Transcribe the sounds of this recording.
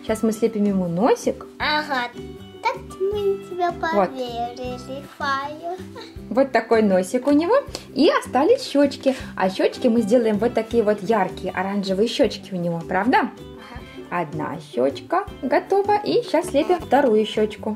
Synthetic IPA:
ɕasmɨsʲlʲepʲɪmjɪmunosʲɪkɐɣa | t̪ak | mɨtʲɪbʲapɐvotvʲeɾʲɪlʲɪfajʊvot̪ːɐko̞jno̞sʲɪkʊnʲɪvo̞iɐst̪alʲɪsʲɕːot͡ɕkʲɪɐ̰ɕːot͡ɕkʲɪmɨzʲdʲe̞lˠəjɪmvo̞t̪ːɐkʲijəvo̞t̪jarkʲɪjəʔɐɾanʐɨvɨjəɕːot͡ɕkʲɪʊnʲɪvo̞pɾavd̪ə | ɐd̪na̰ɕːo̰t͡ɕkəɡɐt̪o̞vəʔiɕːasʲsʲlʲepʲɪmft̪ɐɾujʊɕːot͡ɕkʊ

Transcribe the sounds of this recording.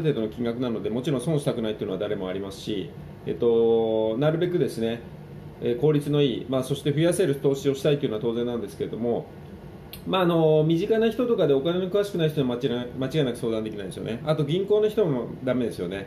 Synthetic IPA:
t̪e̞ːd̪o̞nokʲĩŋɡakɯ̟nano̞d̪e̞mo̞t͡ɕiɾõsõ̞ñɕi̥t̪akɯ̟nait̪eiɯ̟noad̪aɾe̞mo̞aɾʲimasɨ̥ɕḭ | ḛt̪ːo̞naɾɯ̟be̞k̬ɯ̟d̪e̞sɨne̞ | eko̞ːɾʲit͡sɨno̞iːmaːso̞ɕi̥t̪e̞ɸɯ̟ijase̞ɾɯ̟t̪o̞ːɕio̞ɕi̥t̪ait̪eiɯ̟noat̪o̞ːzẽ̞nːãnd̪esɨ̥ke̞ɾe̞d̪o̞mo̞ | maːno̞mʲiʑikanaçi̥t̪o̞t̪o̞kad̪e̞o̞kane̞nokɯ̟aɕi̥kɯ̟naiçtoimamat͡ɕiɡainakɯ̟so̞ːd̪ãnd̪ekʲinaid̪esjo̰ne̞at̪o̞ɡʲĩŋko̞ːnoçi̥t̪o̞mad̪ame̞d̪e̞sɨjo̞̰ne̞

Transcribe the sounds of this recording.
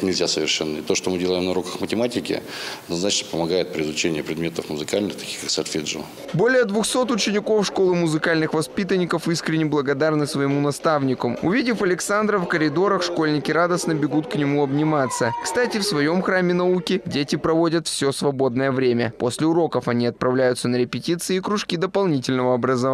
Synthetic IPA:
nʲɪlʲzʲasəvʲɪ̰rʂɛnːəɪt̪oʂt̪omɨdʲelˠəjɪmnʊɾokəxmətʲɪmatʲɪkʲɪ̰ɐɐɐd̪nɐznat͡ɕnəpəmɐɡajɪt̪̚pɾʲɪɪzʊt͡ɕenʲɪjəpɾʲɪd̪mʲe̞t̪əfmʊzɨkalʲnɨxt̪ɐ̥kʲi̥xkaksalʲfʲiʐɨ̰ | bo̞lʲɪjəd̪vʊxso̞t̪ʊt͡ɕɪnʲɪko̞fʂkolˠɨmʊzɨkalʲnɨxvɐspʲit̪ənʲːɪkəfiskɾʲɪnʲɪblˠəɡɐd̪arnɨsvəjɪmunɐst̪avnʲɪkʊmʊvʲidʲɪfɐlʲɪksand̪ɾəfkəɾʲɪd̪o̞ɾəxʂko̞lʲnʲɪkʲɪɾad̪əsnəbʲɪɡut̪knʲɪmuɐbnʲɪmat̪sːəkst̪atʲɪfsvɐjo̞mxɾamʲɪnɐukʲɪdʲetʲɪpɾɐvo̞dʲət̪fsʲosvɐbo̞d̪nəjəvɾʲemʲə̰posʲlʲɪʊɾo̞kəfɐnʲiɐt̪̚pɾɐvlʲæjʊt̪sənəɾʲɪpʲɪtʲit̪sɨɪːkɾʊʂkʲid̪əpɐlˠnʲitʲɪlʲnəvəɐbɾəzɐ

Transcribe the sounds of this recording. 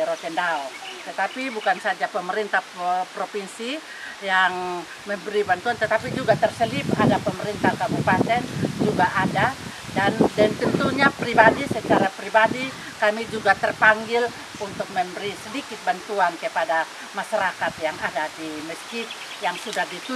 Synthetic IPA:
ɾot̪ɛndaɔt̪ət̪apibukansad͡ʒapəməɾint̪ahpɾopinsi | jaŋ | məmbəɾibant̪uant̪ət̪apid͡ʒuɡat̪ərsəlipa̰dapəməɾint̪ahkabupat̪ɛnd͡ʒuɡaʔada | dandɛnt̪ənt̪uɲapɾibadisət͡ʃaɾapɾibadi | kamid͡ʒuɡat̪ərpaŋɡɪl | unt̪ʊk̚məmbəɾisədikɪt̪̚bant̪uankəpada | maʃaɾakat̪jaŋadadiməskit̪̚ | jaŋsudahdit̪u

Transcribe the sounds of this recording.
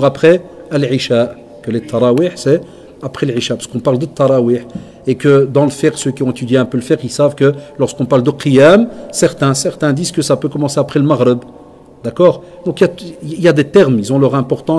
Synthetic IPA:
ʁapχɛəlʕiʃa | kəlet̪ʰːɑɾˤɑwiːħsɛ | apχɛləʕiʃapḁskɔ̃paʁld̪ət̪ːɑɾˤɑwiħ | ekəd̪ɑ̃ləfɛʁsøkʲiɔ̃et̪yd̪jeɛ̃pøləfɛʁilsavkəlɔʁskɔ̃paʁld̪əqijamsɛʁt̪ɛ̃sɛʁt̪ɛ̃d̪izkəsapøkɔmɑ̃seapχɛləmaʁɾɛb | d̪akɔːʁ | d̪ɔ̃kiljat̪iljad̪et̪ɛʁmilzɔ̃lœʁɛ̃pɔʁt̪ɑ̃

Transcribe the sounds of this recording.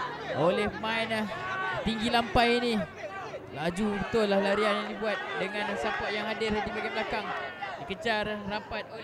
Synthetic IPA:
olɛhpəmaɪnaht̪iŋɡilampajini | lad͡ʒubət̪ʊnlahlaɾianinibuat̪̚dəŋansapaʔjaŋadɪradibaɡablakaŋdikət͡ʃarrampat̪̚

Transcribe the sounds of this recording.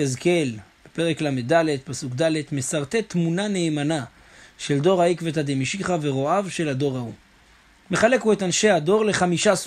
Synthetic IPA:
ezke̞lb̥epe̞ʁeklamedaled̚pasukdale̞tmesaʁt̪e̞t̪munane̞ːmana | ʃe̞ldo̞ʁhaikvethademiʃiχaveʁo̞avʃe̞lado̞ʁau | me̞χale̞kue̞tanʃe̞hado̞ʁle̞χamiʃas

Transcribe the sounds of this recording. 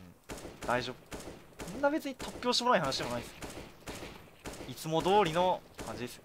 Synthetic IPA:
d̪̥aiʑo̞ːbɯ | ĩnːabe̞t͡sɨɲ̟it̪o̞kʲːo̞ːɕ̬t̪emonaihanaɕid̪emonais | it͡sɨmo̞d̪o̞ːɾʲino̞kãɲ̟d͡ʑid̪esɨ̥o

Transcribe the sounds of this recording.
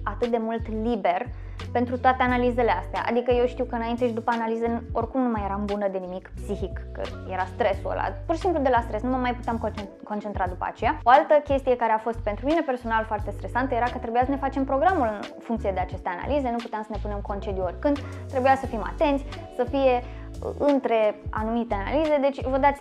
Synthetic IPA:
at̪ɨt̪̚d̪e̞mult̪libe̞r | pe̞nt̪ɾut̪oat̪e̞analize̞least̪ea̰ʔa̰d̪ikəje̞wʃt̪iwkəɨnaint̪eʃ̬id̪upəanalizənorkumnumajeɾambunəd̪e̞nimikpsiçikːə̰je̞ɾast̪ɾe̞suo̰la̰purʃisimplud̪e̞last̪ɾesnuməmajput̪eamk | ko̞nt͡ʃent̪ɾad̪upə̰a̰t͡ʃe̞jaoalt̪əkʲe̞st̪ije̞kaɾe̞afo̞st̪̚pe̞nt̪ɾumine̞pe̞rso̞nalfoart̪e̞st̪ɾe̞sant̪əjeɾakət̪ɾe̞bujasəne̞fat͡ʃe̞mpɾo̞ɡɾamulɨnfuŋkt̪sije̞d̪e̞at͡ʃe̞st̪e̞ana̰lize̞nuput̪eamsəne̞pune̞mko̞nt͡ʃe̞d̪juo̞rʲkɨnd̪t̪ɾe̞bujasəfima̰t̪e̞nt̪sʲ | səfije̞̰ | ɨnt̪ɾe̞a̰numit̪e̞ana̰lize̞d̪e̞t͡ʃʲvəd̪at̪sʲ

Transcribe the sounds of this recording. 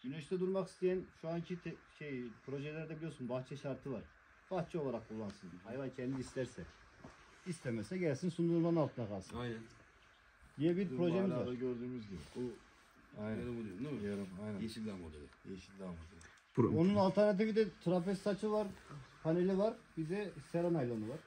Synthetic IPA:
ɟynɛʃt̪ʰɛd̪uɾmaki̥st̪ejænʃuancʰit̪ʰɛʃejpʰɾo̞ʒɛlʲæɾd̪ɛbilʲijoɾsunbaxt͡ʃʰɛʃaɾt̪ʰɯvaɾ̥ | b̥axt͡ʃʰio̞lˠaɾak̚kʰulˠːansɯnhajvancʰɛnd̪iːst̪ʰæɾsɛ | ist̪ʰɛmɛsɛɟælʲsinsund̪uɾmannalˠt̪ʰɯnakʰalˠsɯnjnæn | d̪ijɛbiɾpɾo̞ʒɛmizvaɾøɾd̪yːmyzɟibḭbu | ajnɛɛbulˠijomd̪imijoɾumajnɛʃiamad̪ɯd̪ɯeʃid̪amad̪a | onunalˠt̪ʰɛɾnat̪̬ivid̪ɛt̪ʰɾapɛst̪at͡ʃʰɯvaɾpʰanelʲivaɾbid̪ɛseɾonajlʲonuvaɾ̥

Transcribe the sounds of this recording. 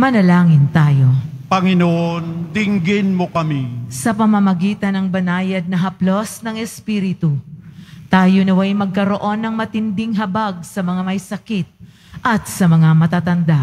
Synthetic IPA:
mɐnɐlaːŋɪnt̪aːjo̞ | pɐŋɪnoʔond̪ɪŋɡɪnmokɐmisɐpɐmɐmɐɡiːt̪ɐnɐŋbɐnaːjɐd̪̚nɐɦɐplo̞snɐŋɛspiɾɪt̪u | t̪aːjonɐwɐjmɐɡ̚kɐɾo̞ʔo̞nːɐŋmɐt̪ɪnd̪ɪŋɦɐbaɡ̚sɐmɐŋamɐjsɐkit̪̚ | ʔɐt̪̚sɐmɐŋamɐt̪aːt̪ɐnd̪a

